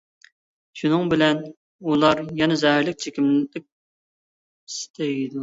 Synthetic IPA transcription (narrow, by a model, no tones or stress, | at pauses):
ʃunɨŋbɪlɛn | ulˠɑɾjɛnɛzɛhɪɾlɪk̚ʲt͡ʃʰekʲimllɪk̚ʲ | ist̪ʰejid̪u